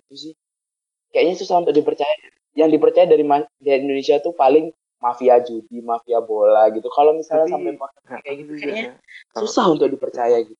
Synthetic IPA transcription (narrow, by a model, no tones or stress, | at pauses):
it̪usɪ | kajaʔɲasusahunt̪ʊk̚dipərt͡ʃaja | jaŋdipərt͡ʃajadaɾimadaat̪indonesiat̪upalɪŋ | mafiad͡ʒudimafiabolaɡit̪ukalomisalɲasampajpɔrt̪əikajaɡit̪ukaʔɲa | susaɦunt̪ʊk̚dipərt͡ʃajaɡit̪u